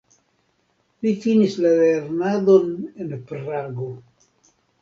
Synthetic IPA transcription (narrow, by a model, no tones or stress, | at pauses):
lifinislaleɾnadone̞npɾaɡo